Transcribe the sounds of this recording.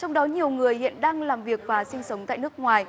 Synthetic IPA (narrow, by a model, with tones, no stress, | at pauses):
t͡ɕɔ˧wŋ͡mɗɔ˨˦ɲi˨˩əwŋɨ˨˩əjhḭ˧˨nɗaː˧ŋlaː˨˩mvi˨˩ək̚vaː˨˩sï˧ŋ̟sə˨˦wŋ͡mt̪a̰ː˧˨jn˦˥ək̚ŋwaː˨˩j